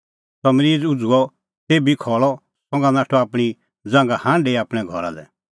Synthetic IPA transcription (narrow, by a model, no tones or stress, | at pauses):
sɔmɾiːd͡zʊd͡zuɔ | t̪eːbikʰɔːɭɔ | sɔ̃ŋɡanaːʈʰɔaːpɽ̃i | d͡zãːŋɡahãːnɖeːiaːpɽ̃ɛɡʱɔ̰ɾa̰d̪ɛ̰